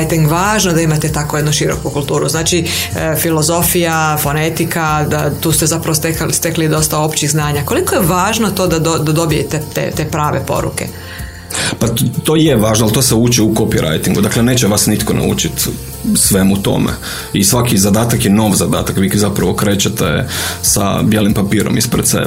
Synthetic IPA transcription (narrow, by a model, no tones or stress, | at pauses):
jt̪iŋɡʋaːʒnod̪aimat̪et̪akojed̪nuʃiɾo̞̰kukulˠt̪uːɾuznaːt͡ʃi | filo̞zo̞fijafo̞ne̞t̪ikad̪at̪uːst̪e̞zapɾaʋost̪ekst̪e̞klid̪o̞st̪ao̞pt͡ʃiiɣznaːɲako̞liko̞jeʋaːʒnot̪o̞d̪ad̪od̪ad̪o̞bijḛt̪et̪ḛt̪e̞ːpɾaːʋe̞̰po̞̰ɾṵke̞̰ | pat̪o̞ːjeʋaːʒnoalt̪o̞ːseuːt͡ʃiukopiɾʔa̰jt̪iŋɡud̪akleneːt͡ʃeʋasnit̪konʔa̰ṵːt͡ʃit̪ | sʋemuut̪o̞̰mḛ | isʋakizad̪aːt̪akjeno̞ʋzad̪a̰ːt̪akʋiːkzapɾaʋo̞kɾeːt͡ʃat̪ḛsa̰bjelimpapiːɾo̰mispɾed̪t̪sḛ